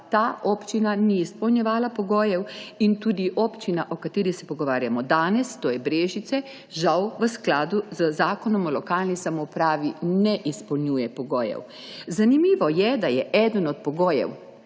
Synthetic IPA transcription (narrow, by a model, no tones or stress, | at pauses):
t̪aʔɔpt͡ʃinaniːspɔwnjɛʋaːlapɔɡoːjɛwint̪uːd̪iʔɔpt͡ʃinaʔɔkat̪iːɾixsɛpɔɡɔʋaːɾjamɔd̪aːnɛst̪oːjɛbɾeːʒit̪sɛ | ʒawʋəsklaːd̪uzəzaːkɔnɔmɔlɔkaːlnisamɔpɾaːʋinɛʔispɔwnjujɛpɔɡoːjɛ̰w | zanimiːʋɔjɛd̪ajɛʔɛd̪ənɔt̪̚pɔɡoːjɛ̰w